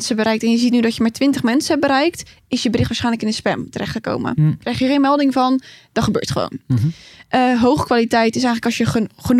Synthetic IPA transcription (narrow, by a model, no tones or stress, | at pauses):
nsəbəɾɛjk̚tɛnjəzitnydɔtjəmaɹtʋɪntəχmɛnsəɛbəɾɛjk̚t | ɪsjəbərɪxtʋaːsχɛjnləkɪnəspɛmtərʔɛχtəko̰wmə̰krɛjxjəχenmɛlˠdɪŋvɑnd̥ɔχəbø̰ːɹtχəʋo̰wn | əɦowχəkʋalitɛjtɪsɛjŋənləkɑsjəχən